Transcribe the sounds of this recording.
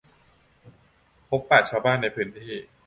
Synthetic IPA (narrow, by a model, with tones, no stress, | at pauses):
pʰo˦˥pːaː˨˩t͡ɕʰaː˧wbaː˥˩nːa˧jpʰɯ˦˥nt̪ʰiː˥˩